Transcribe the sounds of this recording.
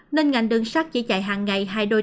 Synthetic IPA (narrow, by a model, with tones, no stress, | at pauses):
ne˧nŋa˨˩jŋ̟ɗɨ˨˧˩əŋsaː˦˥k̚t͡ɕḭ˧˩˦t͡ɕa̰ː˧˩jɦaː˨˩ŋːa˨˩jɦaː˧jɗo˧